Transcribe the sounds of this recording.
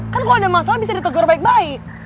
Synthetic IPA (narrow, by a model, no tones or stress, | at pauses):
kankaloadamasalabisadit̪əɡɔrbaɪk̚baɪk̚